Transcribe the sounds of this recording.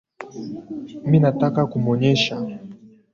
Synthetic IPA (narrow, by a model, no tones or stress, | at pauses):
minatakakumɔɲɛʃa